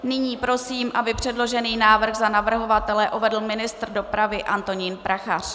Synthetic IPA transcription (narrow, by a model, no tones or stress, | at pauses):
nɪɲiːpɾo̞siːmʔabɪpr̥ɛdlo̞ʒɛniːnaːvr̩xzanavr̩ɦo̞vat̪ɛlɛʔuvɛdl̩mɪnɪst̪rdopɾavɪʔant̪o̞ɲiːnpɾaxar̝̥